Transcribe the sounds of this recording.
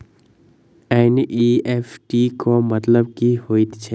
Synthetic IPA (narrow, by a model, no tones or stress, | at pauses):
ɛnʔiefʈikomət̪ləb̚kihoːit̪t͡ʃʰɛ